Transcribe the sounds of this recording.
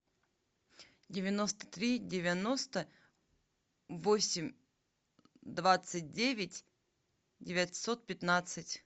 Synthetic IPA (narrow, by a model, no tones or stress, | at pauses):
dʲɪvʲɪno̞st̪ə̥t̪ɾʲidʲɪvʲɪnost̪ə | vosʲɪmʲ | d̪vat̪sɨt̚ʲdʲevʲɪtʲ | dʲɪvʲɪt̪sot̪̚pʲɪt̪nat̪sɨtʲ